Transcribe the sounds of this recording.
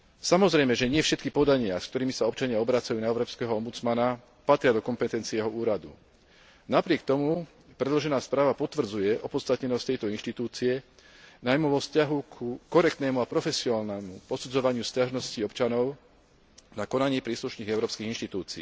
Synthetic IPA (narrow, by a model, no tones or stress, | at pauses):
samɔzɾɛjmɛʒɛɲɪɛfʃɛt̪kipɔd̪aɲɪask̚t̪ɔɾiːmisaɔpt͡ʃaɲɪaɔbɾat͡sajuːnaɛʊɾɔːpskɛːɦɔɔmbut͡smana | pat̪ɾɪad̪ɔkɔmpɛt̪ɛnt͡siɛjɛɦɔuːɾad̪ṵ | napɾɪɛk̚t̪ɔmu | pɾɛd̪lɔʒɛnaːspɾaːʋapɔt̪ʋr̩d͡zujɛʔɔpɔt̪st̪at̪ɲɛnɔsc̚t̪ɛjt̪ɔinʃt̪it̪uːt͡siɛ | najmuʋɔfscaɦukʰukɔɾɛk̚t̪nɛːmuapɾɔfɛsiɔnaːlnɛːmupɔsud͡zɔʋaɲɪuscaʒnɔsciɔpt͡ʃanɔʊ | nakɔnaɲiːpɾiːsluʃniːɣɛʊɾɔːpskiɣinʃt̪it̪uːt͡sḭː